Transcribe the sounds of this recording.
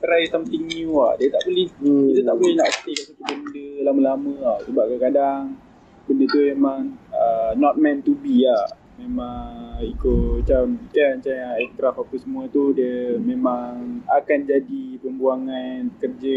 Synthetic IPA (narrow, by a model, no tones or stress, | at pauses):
t̪əɾajsamt̪iŋua̰ʔdiət̪aʔbəlɪhiət̪aʔbolihnaʔəst̪ikasat̪ubəndəlaməlamə̃asəbaʔ̚kəkadaŋ | bəndət̪umemaŋənɔt̪̚mɛ̃nt̪ubia | memaŋikot͡ʃaʊnit͡ʃant͡ʃaaɛk̚t̪ɾafapəsəmuat̪udiəmemaŋakand͡ʒadipəmbuaŋankərd͡ʒə